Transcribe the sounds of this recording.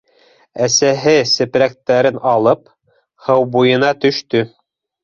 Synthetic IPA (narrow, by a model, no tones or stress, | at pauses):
æsæɦɘsɘ̆pɾæk̚t̪æɾɘnɑlˠɤp | hɤwbujɤ̆nɑt̪ɵ̆ʃt̪ɵ